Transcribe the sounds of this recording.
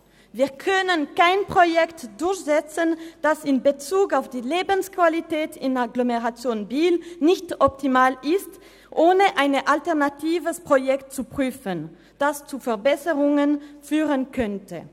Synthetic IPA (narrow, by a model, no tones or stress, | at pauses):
viːɐkʰœnənkaɪnpʁ̥ojɛktd̥ʊɐçz̥ɛt͡sənd̥asɪnbət͡suːkaʊfd̥iːleːbənskv̥alitɛːtʰɪnaɡlomeʁat͡sjoːnbiːlnɪçtʔɔp̚tʰimaːlʔɪst | ʔoːnəʔaɪnəʔaltɛɐnatʰiːvəspʁ̥ojɛktt͡supʁ̥yːfən | d̥ast͡sufɛɐbɛsəʁʊŋənfyːʁənkʰœntʰə̰